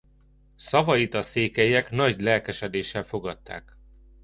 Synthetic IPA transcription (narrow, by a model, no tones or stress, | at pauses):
sɒvɒjit̪ɒseːkɛjɛkn̪ɒɟlɛlkɛʃɛd̪eːʃːɛlfo̞ɡɒt̪ːa̰ːk